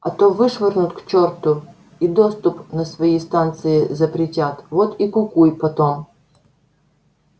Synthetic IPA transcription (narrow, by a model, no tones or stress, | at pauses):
ɐ̰t̪ovɨʂvɨrnʊt̪kt͡ɕort̪ʊ | id̪ost̪ʊpnəsvɐjist̪ant̪sɨɪzəpɾʲɪtʲat̪vot̪ikʊkujpɐt̪om